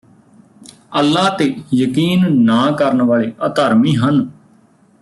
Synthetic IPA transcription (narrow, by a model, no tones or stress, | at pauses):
əlːaːt̪eːjəkiːnnaːkəɾənʋaːleːʔət̪əɾmiːɦən